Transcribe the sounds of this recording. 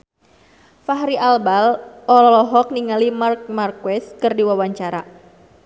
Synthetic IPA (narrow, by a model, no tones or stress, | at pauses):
faɦɾiʔalbalʔɔlɔlɔɦɔk̚niŋalimark̚markwɛskɨrdiwawaɲt͡ʃaɾa